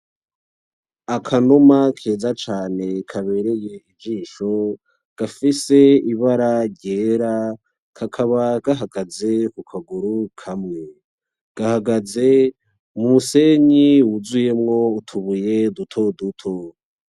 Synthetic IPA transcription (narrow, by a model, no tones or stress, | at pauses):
akʰanomakʰe̞ːzat͡ʃaːne̞kʰaβe̞ɾe̞je̞ivd͡ʒiːʃo̞ | ɡ̥afise̞iβaɾaɾɟe̞ːɾa | kʰakʰaβaɡ̥aɦaɡaze̞kukʰaɡuɾukʰamŋe̞ | ɡ̥ahaɡaze̞ | mumuse̞ɲiwuzuje̞mŋo̞utʰuβuje̞dutʰo̞dutʰo̞